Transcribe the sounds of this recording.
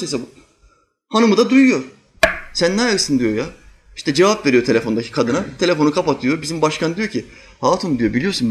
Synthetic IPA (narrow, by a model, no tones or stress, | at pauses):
jsab | hanumud̪ad̪ujujo̞ɾ | sænːajaɯsɯnd̪ijo̞ja | i̥ʃt̪ʰɛd͡ʒevapve̞ɾijo̞t̪ʰe̞lʲe̞fo̞nd̪acʰi̥kʰad̪ɯnat̪ʰe̞lʲefo̞nukʰapat̪ʰɯjobizimbaʃkʰand̪ijo̞cʰi | hat̪ʰund̪ijo̞bilʲijo̞sun